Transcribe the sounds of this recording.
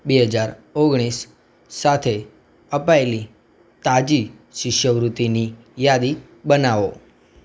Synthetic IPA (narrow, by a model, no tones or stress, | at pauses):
beɦəd͡ʒaɾoɡɽ̃isː | at̪ʰe | əpaeli | t̪ad͡ʒi | ʃɪʃjəʋɾut̪ini | jad̪i | bənaʋo